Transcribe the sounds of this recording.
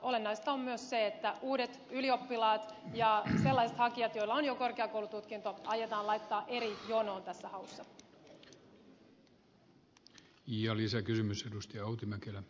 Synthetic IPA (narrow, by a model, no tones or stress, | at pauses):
o̞le̞nːɑjst̪ɑomːmyøsse̞et̪ːæʔuːde̞t̪ylio̞pːilɑːt̪jɑse̞lːɑjset̪hɑkiɑt̪jo̞jlːɑonjoko̞rkeɑkoulut̪ut̪kint̪oʔɑjːet̪ɑːlɑjt̪ːɑːʔe̞ɾijo̞no̞ːnt̪æsːæhɑusːɑ | iɑlisækysymysedust̪ijɑɑut̪imækelæ